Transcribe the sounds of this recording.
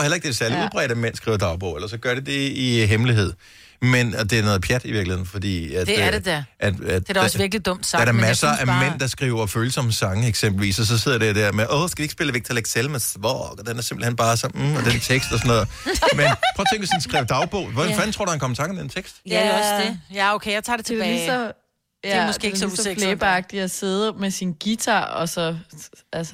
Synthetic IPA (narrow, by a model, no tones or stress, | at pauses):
helɐeɡ̥̚d̥esæɐliuð̞ˠb̥ʁɛ̰ːɾ̥æmen̰sɡ̥ʁḭːʊɐd̥ɑ̈ʊb̥ɔ̰ʊelɐsɒ̽ɡ̥ɶɐɾe̝d̥e̝iɦemliɦe̝ð̞̰ˠ | mend̥e̝æɐnɔ̽ːð̩ˠpʰjæd̥iʋiɐɡ̥lihe̝ð̰ˠn̩fɒ̽d̥ḭːæ̥dʔæd̥æ̥dʋiɐɡ̥lid̥ɔm̰d̥sɑ̥æɐɾ̥ɑmæsɐæmen̰d̥ɑ̈sɡ̥ʁḭːʊ̰ɐføːləsɒ̽məsɑ̈ŋəeɡ̥sem̰b̥l̩ʋḭːsɒ̽s̬ɒ̽se̝ð̰ˠɐd̥ed̥æɐ̰meʔɔsɡ̥æie̥sb̥e̝ləʋeɡ̥̚t͡sʰæleɡ̥sʰelmæsʋɒɡ̥ɒd̥enæɐse̝mb̥l̩hen̰b̥ɑ̈ːsɒ̽m̩ɒd̥ent͡sʰeɡ̥sd̥ɒsɔnɔ̽ːð̩ˠmenpʰɔʊːt͡sʰeŋɡ̥esɒn̩sɡ̥ʁaʊ̰d̥ɑ̈ʊb̥ɔʊ̰ʋɒfænt͡sʰo̝ɐduhænkʰɒ̽məsʰɑ̈ŋmd̥ent͡sʰeɡ̥sd̥ɒsdejæokʰejaɪt͡sʰɑ̰̈ːdet͡sʰedisɒ | jæseisleːb̥ɑɡ̥̚d̥iæse̝ð̞ˠɐmesinɡ̥it͡sʰɑ̰ɒ̽sɒ̽ælsə̥